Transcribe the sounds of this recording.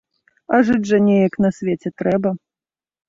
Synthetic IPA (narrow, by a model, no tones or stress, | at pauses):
aʐɨd͡zʲʐɐnʲɛjɐknɐsʲvʲet͡sʲɛt̪ɾɛbɐ